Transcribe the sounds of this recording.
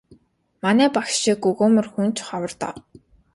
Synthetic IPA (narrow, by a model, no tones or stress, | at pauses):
manæːpakʃikɵɣoːmɘ̆rxunt͡ɕχawə̆rt̪a̰ː